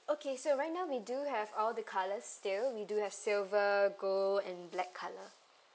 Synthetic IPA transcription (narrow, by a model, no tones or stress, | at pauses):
okʰesoɹajt̚naʊwiduhɛvɔldəkʰaləstɪlwiduhɛv̥silvəɡoɛ̃nblɛkʰːalə